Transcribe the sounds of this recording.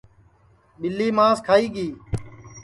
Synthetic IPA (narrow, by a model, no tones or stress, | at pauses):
ɓɪlːiːmãːskʰaːiːɡiː